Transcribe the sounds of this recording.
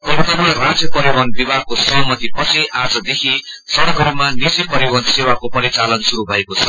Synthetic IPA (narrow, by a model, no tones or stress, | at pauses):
kʌlt̪ʌmʌrãd͡zjʌpʌɾiwʌnbibʱaɡ̚kosʌɦmʌt̪ipʌsiʔad͡zʌd̪ekʰi | sʌɽʌkɦʌɾumanid͡zipʌɾiwʌnsewakopʌɾit͡salʌnsuɾubʱʌekot͡sʰʌ